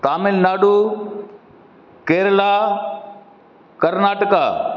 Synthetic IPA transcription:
t̪aːmɪlnaːɖu | keːɾla | kɐɾnaːʈəka

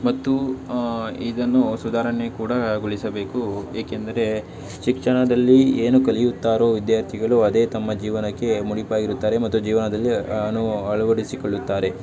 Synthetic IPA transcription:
mɐt̪ːu | id̪ɐnːusud̪ʱaːɾɐnekuːɽɐɡuɭisɐbe̞ːkueːkend̪ɐɾe̞ | ʃikʂɐɳɐd̪ɐlːieːnukɐlijut̪ːaːɾo̞ːʋid̪jaːɾt̪ʰiɡɐɭuɐd̪e̞ːt̪ɐmːɐd͡ʒiːʋɐnɐkːe̞muɽipaːɡiɾut̪ːaːɾe̞mɐt̪ːud͡ʒiːʋɐnɐd̪ɐlːiɐnuɐɭuʋɐɽisikoɭːut̪ːaːɾe̞

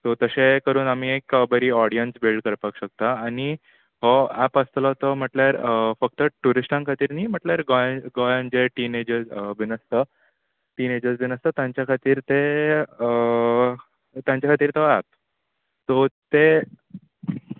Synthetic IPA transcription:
t̪ot̪əɕekəɾuːnam̤iːekəbəɾiːɔɽijənsbilɖkəɾpakɕək̚t̪aːñi | ɦɔæpəst̪ləɦt̪əm̤əʈljaɾfək̚t̪əʈuɾisʈãŋkʰat̪iːɾniːm̤əʈljaɾɡjɡojãnd͡ʑeʈined͡ʑəɾsʋinəst̪ə | ʈiːned͡ʑəɾsʋinəst̪ət̪jãɲt͡ɕjakʰat̪iːɾt̪e | t̪jãɲt͡ɕjakʰat̪iːɾt̪ɔæp̚ | t̪ot̪e

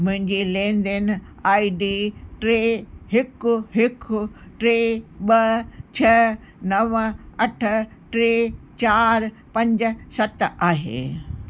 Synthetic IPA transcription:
mʊ̃ɦɪ̃ɲd͡ʑelẽːnd̪enaːiɖiʈɾeːɦɪkʊɦɪkʊʈɾeːɓɐt͡ɕʰɐ | nɐʋɐʈ̆ʰ | ʈɾeːt͡ɕaːɾ | pɐ̃ɲd͡ʑʊ̆sɐt̪aːɦḛː

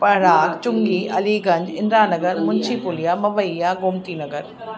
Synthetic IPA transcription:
pɐɦɽaːkt͡ʃʊŋɡiːʔɐliːɡɐ̃ɲd͡ʒɪ̃nɾaːnɐɡəɾmʊnt͡ʃʰiːpʊlijaːmɐʋəjːaːɡʊmt̪iːnɐɡəɾ

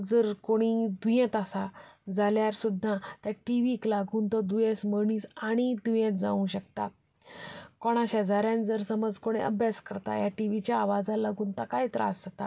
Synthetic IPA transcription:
d͡zəɾkoɽ̃id̪ujɛ̃t̪asad͡zaljaɾsud̪ʱːat̪jaʈiʋiklaɡuːnt̪ɔd̪ujẽsməɽiːsaɽ̃id̪ujẽt̪̚d͡za̰ʋũɕək̚t̪a̰ | kɔɽ̃aɕəd͡zaɾjãnd͡zəɾsəməd͡zkoɽ̃eʔə̰bʱjaskəɾt̪a̰jaʈiʋit͡ɕjaːʋad͡zalaɡʱuːnt̪akaɦit̪əɾa̰sd͡zat̪a

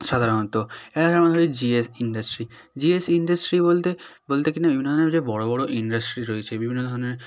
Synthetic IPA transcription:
ʃad̪ʱaɾont̪oeaʃamaɦojd͡ʑiesinɖasʈɾi | d͡ʑiesiɳɖasʈɾibolt̪ebolt̪ekinajiuinaned͡ʑebɔɽobɔɽoʔiɳɖasʈɾiɾoet͡ɕʰebibʱinːod̪ʱɔɾoneɾ

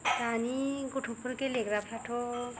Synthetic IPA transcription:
taniɡuʈʰupʰuɾkeleɡɾapʰɾaʈʰo

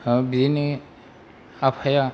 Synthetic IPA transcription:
bizini | apʰaja

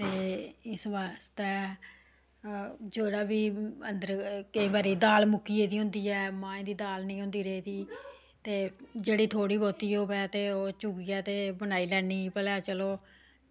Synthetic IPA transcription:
t̪eːɪsʋaːst̪ɛː | d͡ʒeːɽaːbiːənd̪əɾkəĩːbaːɾiːd̪aːlmʊkiːeːd̪iːɦʊ̃nd̪iːɛːmãːẽnd̪iːd̪aːlnĩːɦʊ̃nd̪iːɾeiːd̪iː | t̪eːd͡ʒeːɽiːt̪ʰoːɽiːbɔːt̪iːɦoːbɛːt̪eːoːt͡ʃʊɡiːɛːt̪eːbənaːiːlɛːniːpəlaːt͡ʃəloː

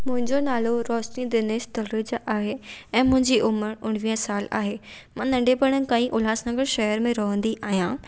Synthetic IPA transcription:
mʊ̃ɦɪ̃ɲd͡ʑonaːloɾɔːʃnid̪ɪneːʃt̪ɐlɾid͡ʑaːɦeɛ̃ːmʊ̃ɦɪ̃ɲd͡ʑiʔʊməɾʊɽ̃ʋiːə̃saːla̰ːɦeːmãːnɐ̃ɳɖepɐɽ̃ənɪ̆kãːĩʔʊlaːsnɐ̃ɡəɾʃɐɦəɾmẽɾɐɦə̃nd̪iʔaːɦijãː

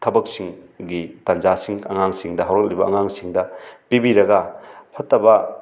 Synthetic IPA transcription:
tʰɐbɐk̚siŋ | ɡitand͡ʒasiŋɐ̰ŋaŋsiŋdɐɦawɾɐk̚libɐ̰ːŋaŋsiŋdɐpibiɾɐɡɐpʰɐtːɐbɐ

